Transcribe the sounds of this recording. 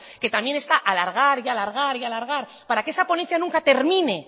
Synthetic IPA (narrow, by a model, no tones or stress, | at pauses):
ke̞t̪ambje̞ne̞st̪aʔalaɾɣ̞aɾialaɾɣ̞aɾialaɾɣ̞aɾ | paɾakee̞sapo̞nẽ̞n̟θjanũŋkat̪e̞ɾmĩne̞